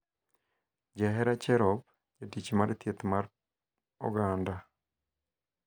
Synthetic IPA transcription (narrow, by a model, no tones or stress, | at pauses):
d͡ʒɛɦɛɾat͡ʃɛɾɔp̚ | d͡ʒedit͡ʃimaɾet̪jet̪maɾ | ɔ̰ɡɾanda